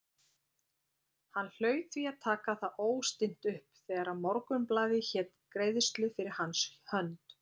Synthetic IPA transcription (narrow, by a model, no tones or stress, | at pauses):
hanːl̥œːɥt̪θviaðt̪ʰaːkaθaʔoːwst̪ɪn̥t̪ʏhpθɛːɣaɾaðmɔɾkʏmplaːðɪçɛːt̪kɾeːjðʏst̪lɪfɪɾɪɾ̥hanshœnt̪